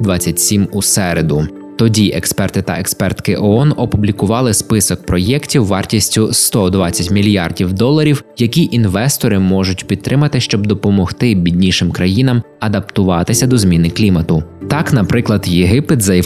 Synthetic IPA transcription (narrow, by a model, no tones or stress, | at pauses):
d̪ʋɑt͡sʲːɐtʲsʲimusɛɾed̪ʊ | t̪ɔdʲiʔɛkspɛrt̪ɪt̪ɐ̰ʔekspɛrt̪kɪʔɔɔnɔpublʲikʊʋɑlˠɪspɪsɔk̚pɾɔjɛktʲiwːɑrtʲisʲtʲʊst̪ɔd̪ʋɑt͡sʲːɐtʲmʲilʲjɑrdʲiwd̪ɔlˠɐɾʲiwjɐkʲiʔinʋɛst̪ɔɾɪmɔʒʊtʲpʲid̪t̪ːɾɪmɐt̪ɪʃt͡ʃɔb̚d̪ɔpɔmɔxt̪ɪbʲidʲnʲiʃɪmkɾɐjin̪ɐm | ɐd̪ɐpt̪ʊʋɑt̪ɪsʲɐd̪ɔzmʲinɪklʲimɐt̪ʊt̪ɑknɐpɾɪklˠɐd̪jeɦɪpɪt̪zɐ